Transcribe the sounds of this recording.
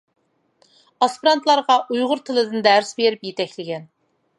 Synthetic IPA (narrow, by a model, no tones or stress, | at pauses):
ɑspɾɑnt̪lˠɑɾʁɑʔujʁʊɾt̪ʰɨlˠɨd̪ɨnd̪æɾsbeɾɪpjet̪ʰɛkʲlɪɡʲɛn